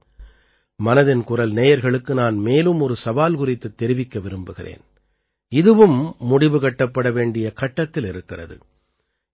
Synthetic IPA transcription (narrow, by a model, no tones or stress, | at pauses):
mɐnɐðɪnkʊrɐlneːjɐɾɣɐɭɯkːɯnaːnmeːlɯmɔɾɯsɐʋaːlkʊrɪt̪ːɯt̪ːɛɾɪʋɪkːɐʋɪɾɯmbɯɣɪrḛːn | ɪðɯʋɯmːʊɽɪʋɯkɐʈːɐpːɐɽɐʋeːɳɖɪjɐkɐʈːɐt̪ːɪlɪɾɯkːɪrɐ̰ðɯ̰